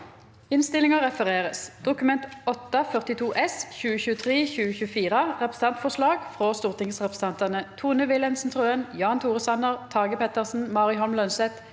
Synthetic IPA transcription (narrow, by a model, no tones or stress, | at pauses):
ɪnst̪ɪlɪŋəʁɛfəʁeːʁəsd̪̥ʊkʉmɛnt̪ɔt̪ːɑfœʁt̪ɪt̪ʰuːʔɛsçʉːəçʉːət̪ʰʁeːçʉːəçʉːəfiːʁəʁɛpʁə̥sn̩ɑnt̪fɔslɑːɡfʁɔst̪uːʁt̪ɪŋsʁɛpʁə̥sɛnt̪ɑnət̪ʰuːnəʋɪlɛnsnt̪ʰʁøːənjɑːnt̪ʰuːʁəsɑnəʁt̪ʰɑːɡəpɛt̪əʁsn̩mɑːʁɪɦɔlmlœnsɛt̪